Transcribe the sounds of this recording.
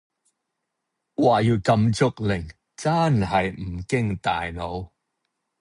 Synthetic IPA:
waː˨˩jiː˨˩wkɐ˧mt͡sʊ˧k̚lɪ˨˩ŋ | t͡saː˥nhɐ˨jm̩˨˩kɪ˥ŋt̪a̰ː˨jno˨˧w

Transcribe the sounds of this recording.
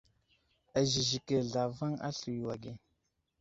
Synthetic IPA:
a˨ʒi˨ʒi˨ke˨ɮa˨va˦ŋa̰˦ɬu˨jwa˨ɡe˨

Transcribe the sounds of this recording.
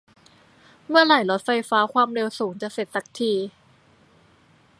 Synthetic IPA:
mɯ˥˩ɐla˨˩˦jlo˦˥t̪̚fa˧jfaː˦˥kʰwaː˧mɾe˧wsuː˩˦ŋt͡ɕa˨˩se˨˩t̪̚sa˨˩˦k̚t̪ʰiː˧

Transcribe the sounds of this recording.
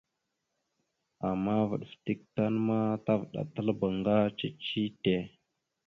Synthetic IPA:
a˨mːa˦və̰˨ɗfti˦k̚ta˦nma˦ta˦vɗa̰˨tə˦lba˨ŋɡa˦t͡ʃi˦t͡ʃi˦te˨

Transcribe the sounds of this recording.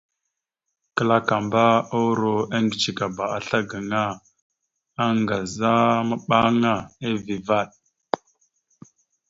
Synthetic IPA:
kə˦la˦ka˨mba˦o˦ɾo˨a˦ŋɡi˨t͡ʃi˨ka˨ba˨a˨ɬa˦ɡa˨ŋa˦ | a˦ŋɡa˨za˦ma˨ɓa˦ŋa˦˨e˦vi˨va˦˨ɗ̚

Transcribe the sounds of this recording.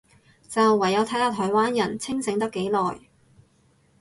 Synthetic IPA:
t͡sɐ˨wːɐ˨˩jːɐ˨˧wt̪ʰɐ˨˥jt̪aː˧t̪ʰɔː˨˩jwaː˥njɐ˨˩nt͡sʰɪ˥ŋsɪ˨˥ŋt̪ɐ˥kːe˨˧˥jlɔː˨j

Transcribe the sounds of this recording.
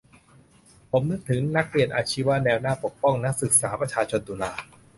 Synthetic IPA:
pʰo˩˦mnɯ˦˥t̚t̪ʰːɯ˩˦ŋna˦˥k̚li˨˩ənʔaː˧t͡ɕʰiː˦˥wa˦˥nɛː˧wnaː˥˩po˨˩k̚pɔ˥˩ŋna˦˥k̚sɯ˨˩k̚saː˩˦pɾa˧t͡ɕʰaː˧t͡ɕʰo˧nd̪uː˧laː˧

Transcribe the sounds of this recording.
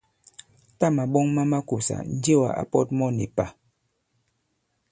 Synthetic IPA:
ta˦ma˨ɓɔ˦ŋma˦ma˦ku˨sa̰˨n̩˦d͡ʒe˦wa̰˨ʔa̰˨pɔ˦t̚mɔ˦ni˨pa˨

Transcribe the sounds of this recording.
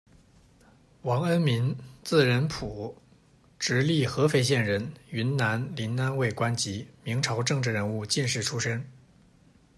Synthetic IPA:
wɑ˧˥ŋə˥nmi˧˥nt͡sɹ̩˥˩ɻə˧˥npʰu˨˩˦ | ʈ͡ʂɻ̩˧˥li˥˩xɤ˧˥fe˥˩ɪɕjɛ˥˩nɻə˧˥ny˧˥nna˧˥nli˧˥nna˥nwe˥˩ɪkwa˥nt͡ɕi˧˥mi˧˥ŋʈ͡ʂʰɑ˧˥ʊʈ͡ʂɤ˥˧ŋʈ͡ʂɻ̩˥˩ɻə˧˥nu˥˧t͡ɕi˥˧nʂɻ̩˥˩ʈ͡ʂʰu˥ʂə˥ŋ

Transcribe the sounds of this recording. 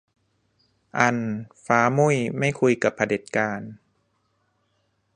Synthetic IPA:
ʔa˧nfaː˨˦mu˥˩˨jma˥˩jkʰu˧jka˨˩pʰːa˧de˨˩t̪̚kaː˧n

